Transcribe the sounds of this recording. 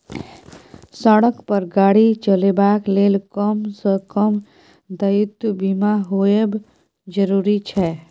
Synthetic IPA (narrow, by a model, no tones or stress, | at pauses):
səɽəkpəɾɡaːɽit͡ʃəlebaːkleːlkəmsəkəm | d̪əjut̪bimaɦoeb | d͡ʒəɾuːɾit͡ʃʰɛ